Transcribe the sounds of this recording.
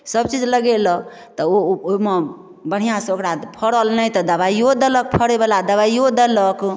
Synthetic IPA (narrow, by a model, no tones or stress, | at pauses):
səb̚t͡ʃid͡ʒləɡelɔ | t̪ɔoome | bəɽ̤ijãsəokɾad̪pʰəɽəlnəjt̪ɔd̪əβaiod̪ələk̚pʰəɽebelad̪əβaiod̪ələk